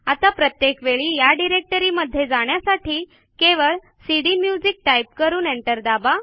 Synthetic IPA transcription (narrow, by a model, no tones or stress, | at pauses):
at̪apɾət̪jekʋeɭiːjaɖiɾek̚ʈəɾiːməd̪ʱːjed͡zaɽ̃jasaʈiː | keʋəɭ | siɽimjud͡zik̚ʈaip̚kəɾuːneɳʈəɾd̪aba